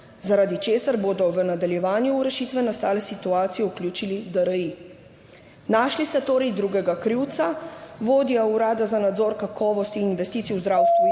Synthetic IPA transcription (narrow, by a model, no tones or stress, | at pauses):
zaɾaːd̪it͡ʃeːsaɾboːd̪ɔʋənad̪aljɛʋaːnjuːɾɛʃiːt̪ʋɛnast̪aːlɛsit̪uaːt̪sijɔuklʲjuːt͡ʃilid̪aɾəi | naːʃlist̪ɛt̪oːɾɛjd̪ɾuːɡɛɡakɾiwt̪saʋoːd̪iauɾaːd̪azanad̪zoːɾkakʰɔːʋɔst̪ininʋɛst̪it̪siuzd̪ɾaːwst̪ʋu